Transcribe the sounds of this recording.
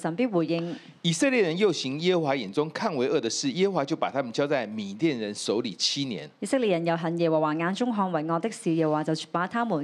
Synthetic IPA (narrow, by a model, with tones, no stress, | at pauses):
sɐ˨npiː˥t̚wuː˨˩jɪ˧ŋ | i˨˩səɤ˥˧ljɛ˥˩ɻə˧˦njo˥˩ʊɕi˨˥˦ŋjɛ˥ə˧˥xwa˨˥jɛ˨˩nt͡sʊ˥ŋkʰa˥˨nwe˧˥ɪʔɤ˥˩d̪ə˨ʂɻ̩˥˩jɛ˥hə˧˥xwa˨˧t͡ɕjo˥˩ʊpa˨˩t̪ʰa˥mə˨nt͡ɕjɑ˥t͡sa˥˩ɪmi˨˩t̪jɛ˥˨nɻə˧˦nso˨˧˥ʊlḭ˨˩t͡ɕʰi˥njɛ̰˧˦nji˨˩sɪ˥k̚li˨t̚jɐ˨˩njɐ˨˩wɦɐ˨˩njɛː˨˩wɔ˨˩waː˨˩ŋaː˧nt͡ʃʊ˥ŋɦɔː˧ŋwɐ˨˩jŋɔː˧t̪ɪ˥k̚siː˨jɛː˨˩wwaː˨˩t͡sɐ˨wt͡ʃy˨˩paː˨˧˥t̪ʰaː˥mu˨˩